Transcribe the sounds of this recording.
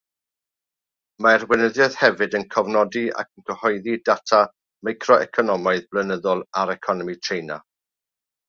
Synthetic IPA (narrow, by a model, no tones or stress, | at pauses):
maɛrwɪnəðjɔðhɛvɨdənkʰɔvnɔdia̰kʰənkʰəhɔjðidatʰa | majkʰrɔʔɛ̰kʰɔnɔmaɨðblənəðɔlˠaɾɛkʰɔnɔmitʰrejna̰